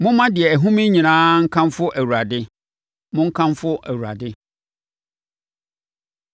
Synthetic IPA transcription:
mʊ̃˦mã˦dɪ˨ɛ˨æ˨ɦũ˦mĩ˦ɲĩ˨nãː˦ŋ̩˦kʰã˦mfʊ˦ʔæ˨wu˨ɾa˨dɪ˦ | mʊ̃˦ŋ̩˦kʰã˦mfʊ˦ʔæ̰˨wu˨ɾa̰˨dɪ˦

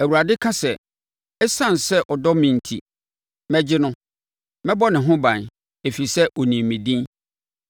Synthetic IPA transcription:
æ˨wu˨ɾa˨dɪ˦kʰã˦sɛ˨ | ɛ˦sã˦˨n˨sɛ˦ʔɔ˨dɔ˦mĩ˨n˨tʰḭ˨ | mɛ̃˦d͡ʑɪ˦nʊ̃˦ | mɛ̃˦bɔ˦nɪ̃˨ɦʊ̃˦bã˨n | e˨fi˨sɛ˦ʔɔ˨nĩ˨mĩ˨dĩ˦n

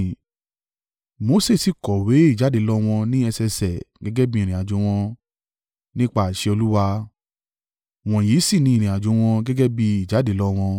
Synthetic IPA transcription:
mo˧˦se˦˨si˧˨kɔ˨we˨˦i˦˨d͡ʒa˨˦de˨˦lɔ˦w̃ɔ̃˧nĩ˦ɛ˧sɛ˧sɛ˨ɡɛ˨˦ɡɛ˦bĩ˦ĩ˨ɾĩ˨a˨d͡ʒõ˧˦w̃ɔ̃˧ | nĩ˦k͡pa˦˨ʃe˧o˧lu˦wa˧ | w̃ɔ̃˨ji˨˦si˦˨nĩ˧˦ĩ˦˨ɾ̃ĩ˨a˨d͡ʒo˨˦w̃ɔ̃˧ɡɛ˦ɡɛ˦bi˧i˨d͡ʒa˨˦de˨˦lɔ˦w̃ɔ̃˧

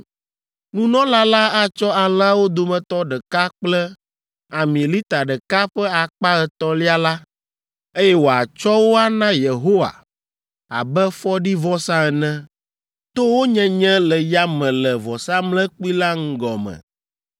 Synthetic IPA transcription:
nũ˦nɔ̃˦la˦la˦a˦t͡ʃɔ˦a˨la˦wo˦d̪o˨mɛ̃˨t̪ɔ˦ɖə˨ka˦k͡plɛ˦ | a˨mĩ˨li˦t̪a˨ɖə˨ka˦ɸɛ˦a˨k͡pa˦ɛ˨t̪ɔ˦li˦a˦la˦ | e˦jɛ˦wo˨a̰˨t͡ʃɔ˦wo˦a˦nã˦je˨ɦo˦wa̰˨ | a̰˨bɛ˦fɔ˦ɖi˦vɔ˦sã˦ɛ˨nɛ̃˦ | t̪o˦wo˦ɲɛ̃˦ɲɛ̃˦lɛ˨ja˦mɛ̃˨lɛ˨vɔ˨sa˦mlɛ̃˦k͡pi˦la˦ŋ̩˦ɡɔ̰˨mɛ̰̃˨

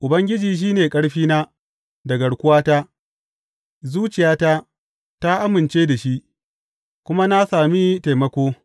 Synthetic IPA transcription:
ʔʊ˨bɐ˦ŋɡʲɪ˦d͡ʒiː˨ʃ̬iː˦neː˨kʼɐ˦ɽɸiː˦na˦ | dɐ˨ɡɐ˨ɽkʷʊ˦waː˦ta˦ | zuː˦t͡ʃɪ˨jaː˦ta˦ | ta˦ʔa˦mɪ˨nt͡ʃeː˦da˨ʃi˦ʔ | kʷʊ˦ma˦na˦saː˨mi˦ta˨mɐ˦kʷoː˦

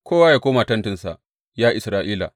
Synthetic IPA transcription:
kʰʷoː˦waː˦jaː˨kʷoː˦maː˨tɐ˦ntɪ˨nsa̰˨ | jaː˦ʔɪ˨sɾaː˦ʔiː˦la̰ː˨

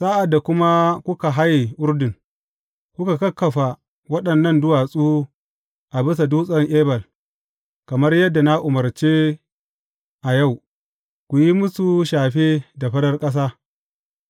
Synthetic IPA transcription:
saː˦ʔa˨dːa˨kʷʊ˦ma˦kʷʊ˦ka˨ɦa˦ji˨ʔʊ˦rdɪ˨ŋ | kʷʊ˦ka˨kɐ˦kʰːɐ˨ɸa˨ | wɐ˦ɗɐ˨nːɐ˦˨ndʊ˦wa˨sʼuː˦ | ʔa˨bɪ˦sa˨duː˦sʼɐ˦ŋʔeː˦bɐ˨l | kɐ˨mɐ˦rjɐ˦dːa˨na˦ʔʊ˨mɐ˨rt͡ʃeː˦ | ʔa˨ja˦˨w | kʷu˨ji˦mʊ˦su˨ʃaː˨ɸe˦da˨ɸɐ˦ɽɐ˦rkʼɐ˦s̬aː˦

